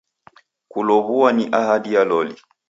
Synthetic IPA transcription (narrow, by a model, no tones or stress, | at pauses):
kulɔβuwaniʔahadijalɔli